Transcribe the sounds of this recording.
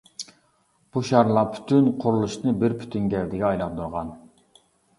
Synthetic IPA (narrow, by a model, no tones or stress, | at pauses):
b̥uʃɑɾlˠɑpʰy̥t̪ʰynqʰʊɾulˠuʃnɨbɪɾpʰy̥t̪ʰynɡʲɛld̪ɪɡʲɛɑjlˠɑqd̪uɾʁɑn